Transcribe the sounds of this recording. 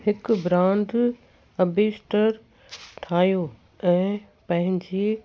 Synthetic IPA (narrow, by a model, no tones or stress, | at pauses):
ɦɪkbɾãːnd̪ʱ | ɐbʱeːsʈəɾ | ʈʰaːjo | ɛ̃ː | pɐ̃ɦɪ̃ɲd͡ʑe